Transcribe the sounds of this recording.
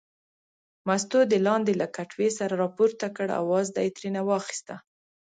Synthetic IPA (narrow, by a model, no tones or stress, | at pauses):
mas̬t̪od̪əlɑnd̪elakaʈwesaɾaɾɑpuɾt̪akəɽa̰wɑzd̪ajt̪ɾinawɑxi̥st̪a